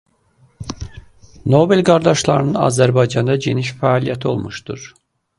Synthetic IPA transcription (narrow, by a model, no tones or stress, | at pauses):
no̞belʲɡaɾd̪aʃlˠaɾɯnɯna̰zæɾbajd͡ʒɑnd̪ad͡ʒeniʃfaːlʲijɛt̪ʰo̞̰lˠmuʃt̪uɾ̥